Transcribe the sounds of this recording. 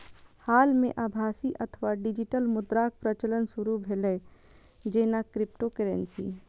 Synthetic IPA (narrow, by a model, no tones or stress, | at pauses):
haːlmḛ̃ʔaːbʱaːsiʔət̪ʰəʋaɖid͡ʒiʈəlmʊd̪ɾak̚pɾət͡ʃələnsuɾubʱelə | d͡ʒeːnakɾɪp̚ʈokəɾensḭ